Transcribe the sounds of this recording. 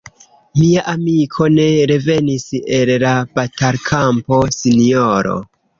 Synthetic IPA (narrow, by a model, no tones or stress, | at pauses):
miaʔamikʰo̞ne̞ɾe̞ve̞nisellabatalkʰampo̞sinioɾo̞̰